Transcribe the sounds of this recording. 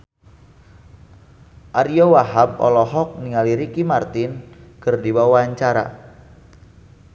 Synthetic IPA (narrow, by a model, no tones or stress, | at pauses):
ʔaɾiowaɦab̚ɔ̰lɔɦɔk̚niŋaliɾikimart̪ɪnkərdiwawaɲt͡ʃaɾa̰